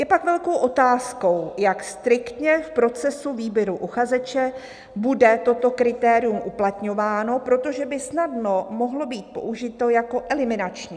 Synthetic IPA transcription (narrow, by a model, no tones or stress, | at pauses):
jɛpakvɛlko̞wʔo̞t̪aːsko̞wjakst̪ɾɪkt̪ɲɛfpɾo̞t͡sɛsuviːbjɛɾuʔuxazɛt͡ʃɛ | budɛt̪o̞t̪o̞kɾɪt̪ɛːɾɪumʔuplat̪ɲo̞vaːno̞pɾo̞t̪o̞ʒɛbɪsnadno̞mo̞ɦlo̞biːt̪̚po̞̰ʔuʒɪt̪o̞jako̞ʔɛlɪmɪnat͡ʃɲiː